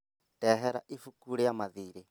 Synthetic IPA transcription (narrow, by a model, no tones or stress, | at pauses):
tʼɛɦɛɾa̰ʔifukuɺɛjamaðiːɾɛ